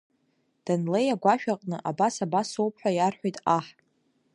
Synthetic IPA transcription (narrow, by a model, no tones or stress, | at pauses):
d̥anlejaɡʷaʃᶣaqʼnɨʔabasabasowp̚ʰʼħʷᶣajarħʷᶣajtʼaħʼ